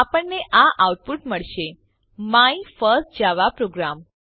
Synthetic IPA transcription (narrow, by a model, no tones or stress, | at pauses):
apəɳːeʔaʔawʈ̚puʈməɭʃe | maifəɾsʈ̚d͡ʒaʋapɾoɡɾam